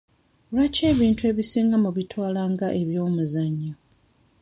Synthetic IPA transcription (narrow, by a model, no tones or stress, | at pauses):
lwace̞ːβiːntue̞βisiːŋɡamuβitʰwaːlaːŋɡaʔe̞βjo̞ːmuzaɲːo